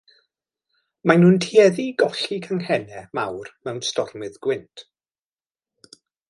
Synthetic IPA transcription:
majnuːntʰiɛðiɡɔɬikʰaŋhɛnɛmawrmɛwnstɔrmɨðɡ̥wɪntʰ

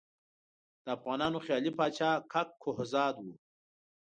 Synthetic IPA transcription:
d̪̥əafɣɑːnɑːnoxjɑːlipɑːt͡ʃɑːkʰakʰːohzɑːd̪wu

